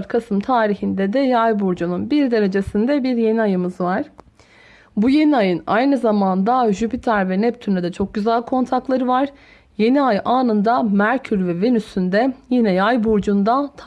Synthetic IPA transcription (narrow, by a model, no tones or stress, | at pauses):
ɾkʰasɯmt̪ʰaːɾiçind̪ɛd̪ɛjajbuɾd͡ʒununbiɾd̪e̞ɾe̞d͡ʒe̞sind̪ɛbiɾje̞niajɯmɯzvaɾ̥ | buje̞niajɯna̰jnɯzamand̪aʒypit̪ʰaɾvɛnɛp̚t̪ʰynɛd̪ɛt͡ʃʰo̞k̚ɟyzælʲkʰo̞nt̪ʰaklˠaɾɯvaɾ̥ | je̞niajaːnɯnd̪amæɾcʰyɾvɛve̞nysynd̪ɛjinɛjajbuɾd͡ʒund̪at̪ʰ